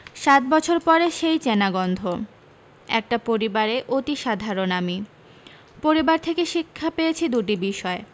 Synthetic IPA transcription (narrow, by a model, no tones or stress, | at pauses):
ʃat̪̚bɔt͡ɕʰoɾpɔɾeʃejt͡ɕenaɡɔnd̪ʱo | ɛ̰k̚ʈapoɾibaɾeʔot̪iʃad̪ʱaɾonami | poɾibaɾt̪ʰekeʃikʰːapejet͡ɕʰid̪uʈibiʃɔe